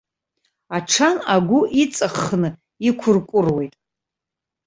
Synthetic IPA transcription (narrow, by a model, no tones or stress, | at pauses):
aʈ͡ʂʰanaɡʷʊʔit͡sʼaχːnɨ | ikʷʰʊrkʷʼʊrwe̞jtʼ